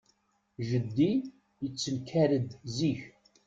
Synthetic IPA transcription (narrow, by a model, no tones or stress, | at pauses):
ʒəd̪ːi | jət͡sːənkʰːæɾəd̪ziç